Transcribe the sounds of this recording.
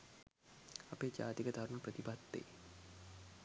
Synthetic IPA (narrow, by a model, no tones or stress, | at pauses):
apeːd͡ʒa̰ːt̪ikəd̪ʱaɾməprət̪ipat̪ːḛː